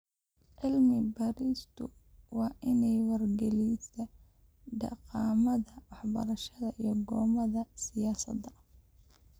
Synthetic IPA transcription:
ʕɪlmɪbɐɾist̪ʰʊwɑːʔɪnɛjwɐrɡɛlisɐ | ɖɑ̰qɑːmɐðɐwɑħbɐ̰ɾɐʃɐðɐʔijɞɡɔːmɐðɐsɪjaːsɐ̰d̪ɐ

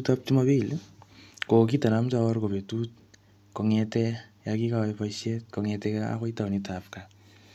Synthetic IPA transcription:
utap̚timobil | kokitanamt͡ʃaɔrkopetut̚ | kɔŋɛtɛjakikapaiʃet̚kɔŋɛtɛkaa̰koitawnitʰafka

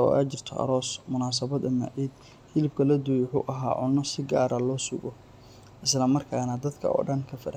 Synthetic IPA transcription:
ɔ̰a̰ːt͡ʃɪrt̪ʰɔ̰ʔɐ̰ɾɔːsmʊnaːs̬ɐβɐd̪ɐma̰ːʕiːd̪ | ħɪlɪb̚kʰɐlɐd̪ʊjʊħʊ̰ʔɐɦa̰ːʕʊnːɔsɪɡaːɾɐlɔːsʊɡɔ | ʔɪslɐmɐrkʰaːnɐd̪ɐd̪kʰɐ̰ɔ̰ːɖɐnkʰɐfɐɾɐ

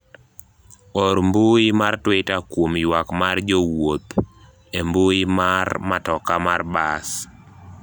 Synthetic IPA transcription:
ɔɾmboɪmartwetakwomjwakmard͡ʒɔwot̪ | emboɪmarmatɔkamarbas

